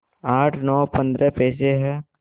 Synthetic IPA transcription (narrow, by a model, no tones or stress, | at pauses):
aːʈʰnɔːpɐ̃nd̪ɾəpɛːs̬eɦɛː